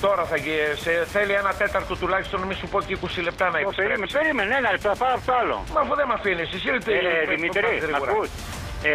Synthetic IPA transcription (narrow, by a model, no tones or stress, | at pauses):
t̪o̞ɾɐθɐʝiseθelienɐt̪e̞t̪ɐɾt̪o̞t̪ulɐçi̥st̪o̞nmisupo̞cikusile̞p̚t̪ɐnɐiseɾimepeɾimenenɐlep̚t̪apɐnɐpot̪oalo̰mɐfuðemɐfinisisilit̪ðimiot̪ɾiɾiɐuɾɐus